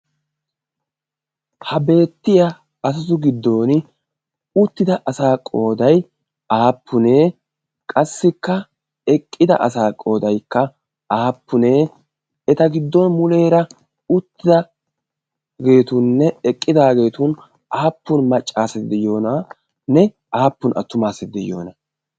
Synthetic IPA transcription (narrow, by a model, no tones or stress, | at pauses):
hɐbe̞ːt̪ːɪja | ɐs̬ɐzʊɡɪd̪ːo̞ːn | ʊt̪ːɪd̪ɐʔɐsaːkʼo̞ːd̪ɐj | aːpʰːʊneː | kʼɐsːɪkːɐ | ɛkʼːɪd̪ɐ̰ʔɐ̰saːkʼo̞ːd̪ɐjkːɐ | aːpːʊneː | ɛt̪ɐɡɪd̪ːɔnmʊle̞ːɾɐ | ʊt̪ːɪd̪ɐ | ɡe̞ːt̪ʊnːɛɛkʼːɪd̪aːɡe̞ːt̪ʊn | aːpːʊnmɐt͡ʃʼːaːsɛt̪d̪ɛjo̞ːnɐ | nɛ | aːpːʊnʔɐ̰t̪ːʊmaːsɛt̪̚d̪ɛjo̞̰ːnɐ